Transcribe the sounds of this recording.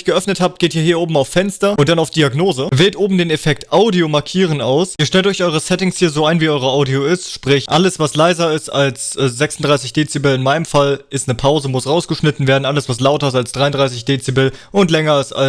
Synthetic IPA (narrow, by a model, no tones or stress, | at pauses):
çɡ̥əʔœfnəthaːp̚t̚ɡ̥eːtiːɐɦiːɐʔoːbm̩aʊfːɛnstɐʔʊnt̚d̥anaʊfd̥iaɡnoːzəvɛːltʔoːbm̩deːnefɛk̚tʔaʊdiomaɐkʰiːʁ̞ənʔaʊsʔiːɐʃtɛltɔʏçʔɔʏʁəsɛtɪŋshiːɐzoːaɪnviːʔɔʏʁɐʔaʊdioɪstʃpʁ̥ɪçʔaləsv̥aslaɪzɐɪstalsɛzɛksn̩dʁaɪsɪçd̥eːt͡sibɛlɪnmaɪnəmfalʔɪstnəpʰaʊzəmʊsʁaʊsɡ̥əʃnɪtn̩veːɐdn̩ʔaləsv̥as̬laʊtɐɪstalsd̥ʁaɪʊndʁaɪs̬ɪçd̥eːt͡sibɛlʊntlɛŋɐɪsta̰l